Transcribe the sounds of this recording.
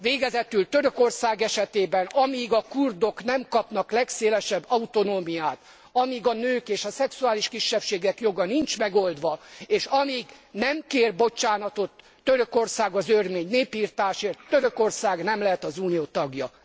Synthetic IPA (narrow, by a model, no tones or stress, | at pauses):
ʋeːɡɛzɛt̪ylt̪øɾøko̞rsaːɡɛʃɛt̪eːbɛnɒmiːɡɒkurd̪o̞knɛmkɒpnɒklɛkseːlɛʃɛbːɒut̪o̞noːmijaːt̪ | ɒmiːɡɒnøːkeːʃɒsɛksuaːliʃkiʃːɛpʃeːɡɛkjo̞ɡɒnint͡ʃmɛɡold̪ʋɒeːʃɒmiːɡnɛmkeːrbo̞t͡ʃaːnɒt̪o̞t̪ːøɾøko̞rsaːɡɒzørmeːɲneːpiːrt̪aːʃeːrt̪ːøɾøko̞rsaːɡnɛmlɛɦɛt̪ɒzuːnijoːt̪ɒɡjɒ